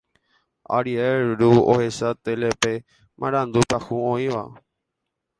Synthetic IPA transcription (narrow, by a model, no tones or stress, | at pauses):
a̰ɾieɾuohesat̪elepe | mʔã̰ɾãnd̪upahũõĩʋa̰